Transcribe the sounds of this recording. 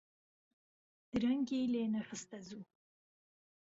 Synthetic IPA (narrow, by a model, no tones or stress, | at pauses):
d̪̥ɾaŋɡelenaχəst̪azu